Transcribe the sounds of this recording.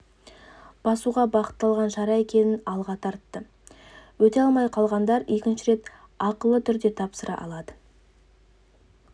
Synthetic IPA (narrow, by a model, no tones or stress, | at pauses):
b̥ɑsuʁɑbɑqə̥t̪ːɑlˠʁɑnʒɑɾɑe̞kʲe̞nɪnɑlˠʁɑt̪ʰɑɾt̪ːə | wɵt̪e̞ɑlˠmɑjqʰɑlˠʁɑnd̪ɑɾe̞kʲɪnʃɪɾe̞t̪ | ɑqəlˠət̪ʰʏɾd̪e̞t̪ʰɑpsəɾɑ̰ʔɑ̰lˠɑd̪ə